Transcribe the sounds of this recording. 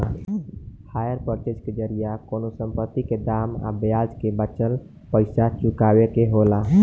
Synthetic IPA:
hajəɾpəɾʈ̪ed͡ʒked͡ʒəɾijakonosəmpət̪ːiked̪ama̰bjad͡ʒkebət͡ʃəl | pəɪsat͡ʃukawekeɦola

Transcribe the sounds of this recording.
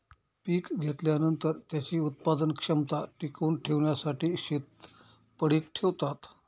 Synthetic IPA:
piːkɡʱet̪ljanənt̪əɾt̪jat͡ɕiːut̪̚pad̪ənkʂəmt̪aʈikuːnʈʰeʋɳjasaʈiːɕet̪ | pəɽiːkʈʰeʋt̪at̪

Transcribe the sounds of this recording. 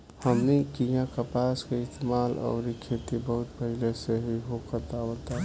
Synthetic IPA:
həmnikijãkapaːskeɪst̪emaːlʔɔ̰ːɾikʰet̪ibəɦʊt̪pəɦɪleseɦiɦokəɾt̪aɦot̪a

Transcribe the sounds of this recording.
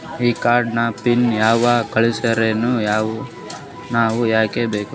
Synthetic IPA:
iːkaːɾɖnɐpinjaːʋakɐɭisɐɾenuːjaːʋu | naːʋujaːke̞beːku

